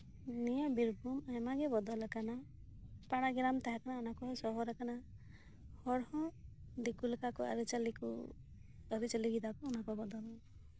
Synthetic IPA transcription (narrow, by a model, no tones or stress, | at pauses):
nijɔbiɾbumajmaɡɛbɔd̪ɔləkana | paɽ̃aɡɛɾamt̪aɦakanaɔnakɔɦsɔɦɔɾakana | hɔɽhɔ̃d̪ikulkakɔa̰ɾit͡ʃalikṵ | əɾit͡ʃəliɡid̪akɔːnakɔbɔd̪ɔlɔ